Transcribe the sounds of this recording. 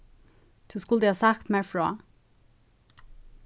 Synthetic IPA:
d̪̥ʉːskʊld̪əhɑːsɑkt̪mæːɹfɹo̰ː

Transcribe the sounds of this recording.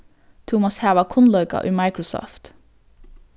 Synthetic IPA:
t̪ʰuːmɑshæːʋɑkʰʊnlœʏkɑ̰ʔyːmɑɪkɹʊsɔ̰ːft̪

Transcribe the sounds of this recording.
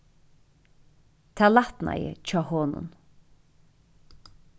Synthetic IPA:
t̪ʰaːlat̪nʔa̰jɪ̰t͡ʃʰɔːhɔːnʊ̰n

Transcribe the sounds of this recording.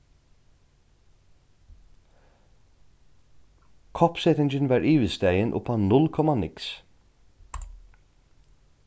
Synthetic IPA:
kʰɔpsɛt̪ɪnd͡ʒɪnʋɑːɹʔiːʋɪst̪ejənʔʊ̰panʊlkʰɔmanɪks

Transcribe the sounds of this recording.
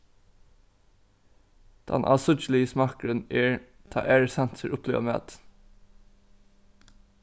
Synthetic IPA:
d̪̥ɛ̰nʔɑ̰ːsʊt͡ʃl̩ɪəsmɑːkɹəneːɹ | t̪ʰɑ̰ːʔeːɹəsɛnt̪səɹʔʊpʰlḛːʋəmḛːt̪

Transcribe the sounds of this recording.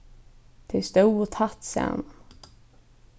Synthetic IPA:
t̪ʰɪst̪uːt̪ʰat̪sɛ̰n

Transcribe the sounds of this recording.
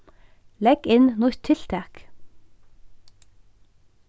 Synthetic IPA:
lɛɡ̥ɪnnʊɾt̪ʰɪl̥t̪ʰæːk

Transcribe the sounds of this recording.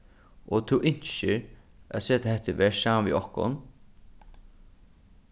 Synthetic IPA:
ɔt̪ʰuwʔɪɲ̥ʃɪɾ | a̰seːt̪aɦɛt̪əʋɛːsaːmanʋḭːʔɔhkʊ̰n

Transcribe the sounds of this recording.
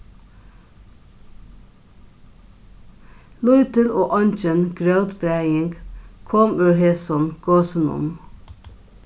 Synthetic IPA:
lʊʏt̪əloːʔɑnt͡ʃənɡɹœʉt̪bɾæɪɪŋɡkʰɔmʉːɹheːsɔnɡ̥oːsənʊ̰m

